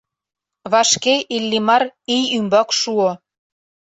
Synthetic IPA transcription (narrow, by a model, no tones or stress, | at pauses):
βɑʃkeʔilːimɑrijymbɑkʃuo